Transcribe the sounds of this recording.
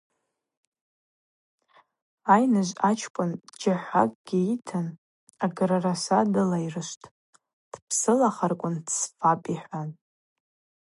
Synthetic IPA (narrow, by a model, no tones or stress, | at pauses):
ajnɨʒʷat͡ʃʰkʷʼʊnd͡ʒaħʷa̰kʼɡ̥ʲiitʰɨn | aɡɾarasadɨlairɨʃtʼ | d̥pʰsɨlaχarkʷʼʊndʰsfapʼiħʷan